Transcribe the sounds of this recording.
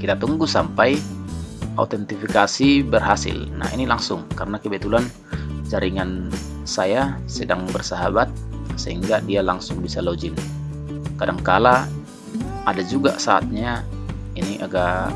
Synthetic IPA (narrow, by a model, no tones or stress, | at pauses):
kit̪at̪uŋɡusampaj | a̰t̪ɛnt̪ifikasibərɦasɪ̰lna̰hḭnilaŋsʊŋkaɾənakəbɛt̪ulan | d͡ʒaɾiŋan | sajasədaŋbərsaɦabat̪̚səɦiŋɡadialaŋsʊŋbisalod͡ʒɪn | kadaŋkala | adad͡ʒuɡasaːt̪̚ɲa | iniʔaɡaʔ